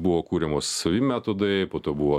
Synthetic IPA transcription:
buʋoːkuːɾʲɛmoːsɐʋʲimʲæt̪oːd̪ɐpoːt̪oːbuʋoː

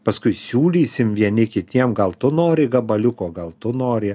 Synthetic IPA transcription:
pɐskʊɪsʲuːlʲiːsʲɪmʋʲiɛnʲɪkʲɪt̪ʲiɛmɡɐlˠt̪ʊnoːɾʲɪɡɐbɐlʲʊkoːɡɐlˠt̪ʊnoːɾʲɪ

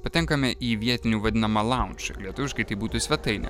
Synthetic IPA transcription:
pɐt̪ʲɛŋkɐmʲɛʔiːʋʲiɛt̪ʲɪnʲuːʋɐd̪ʲɪnɐmɐlˠɑˑʊnʲt͡ʃʲʊ̰lʲiɛt̪ʊʋʲɪʃkɐɪt̪ɐɪbuːt̪usʲʋʲɛt̪ɐɪnʲɛ̰

